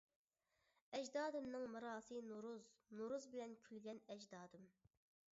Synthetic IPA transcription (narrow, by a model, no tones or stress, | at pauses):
ɛd͡ʒd̪ɑːd̪ɨmnɨŋmɨɾɑːsɨnuɾuznuɾuzbɪlɛnkʲʰylɡʲɛnɛd͡ʒd̪ɑːd̪ɨm